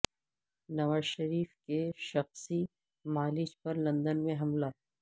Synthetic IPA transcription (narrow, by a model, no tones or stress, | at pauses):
nɐʋaːzʃɐɾiːfkeʃɐxsi | maːlɪt͡ʃpɐɾlɐ̃nd̪ənmẽɦɐmla